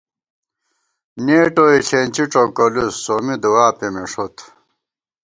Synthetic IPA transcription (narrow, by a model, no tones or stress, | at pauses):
neːʈoiɕent͡ɕiʈ͡ʂokolusːomid̪uwaːpemeʂot̪